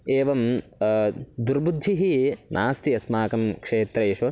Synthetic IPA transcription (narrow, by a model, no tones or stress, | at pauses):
eːʋɐm | d̪uɾbud̪ʱːiɦinʔa̰ːst̪iɐsmaːkɐmkʂeːt̪ɾɐjeʃu